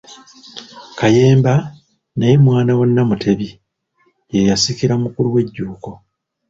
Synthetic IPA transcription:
kaje̞ːmba | najemwaːnawo̞nːamutʰe̞βi | jejasikiɾamukuluwe̞ɟːuːko̞

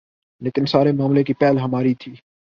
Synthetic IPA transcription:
leːkɪnsaːɾemaːmlekipɛːlɦəmaːɾit̪ʰiː

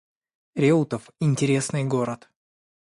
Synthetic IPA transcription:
ɾʲet̪əfɪnʲtʲɪɾʲe̞snɨjɡo̞ɾət̪

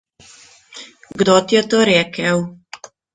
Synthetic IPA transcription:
ɡd̪ot̪jɛt̪oːɾɛːkɛw

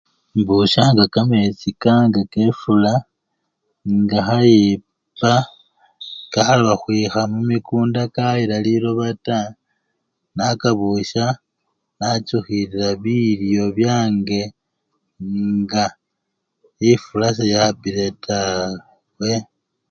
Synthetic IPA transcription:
mbuʃaŋɡakamet͡sikaŋɡakefula | ŋɡaxaji | pa | kaxaβaxwixamumikuːndakaiɾaliɾo̞βata | nakaβuʃa | nat͡ʃuxiɾiɾaβiljo̞βjaːŋɡe̞ | ŋɡa | ifulasajabiɾetʰa | we̞

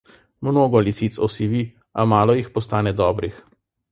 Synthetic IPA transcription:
mnoːɡɔlisit̪sɔsiʋi | amaːlɔjixpɔst̪aːnɛd̪ɔːbɾix

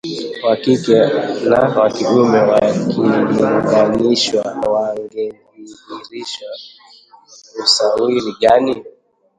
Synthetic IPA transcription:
wakikɛnawakiɗumɛwakiŋɡaniʃwawaŋɡɛ | iiɾiʃwa | usawiɾiɡani

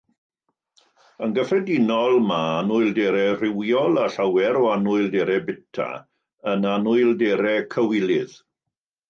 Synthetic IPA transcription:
ənɡəfrɛdɪnɔlˠmaanʊɨlˠdɛɾɛrɪwjɔlˠaɬawɛɾɔanʊɨlˠdɛɾɛbɪtʰa̰ | ənanʊɨlˠdɛɾɛkʰəwɪlˠɪð̥

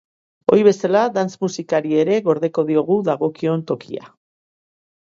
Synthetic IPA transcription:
o̞̰ɾjβe̞salad̪ant͡smusikaɾie̞ɾe̞ɣo̞ɾðe̞ko̞ðio̞ɣ̞uðaɣo̞kio̞nt̪o̞kia̰

